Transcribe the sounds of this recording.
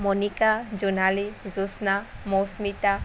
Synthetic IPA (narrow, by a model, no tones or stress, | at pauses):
mɔnikad͡ʒunalizusnamowsmit̪a